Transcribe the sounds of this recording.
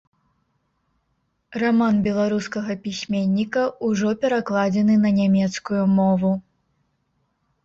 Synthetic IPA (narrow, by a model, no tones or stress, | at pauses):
ramanbʲɛlˠaɾuskɐɣɐpʲisʲmʲenʲːikɐʔuʐɔpʲɛɾaklˠad͡zʲɛnɨnɐnʲamʲɛt̪skujumɔvu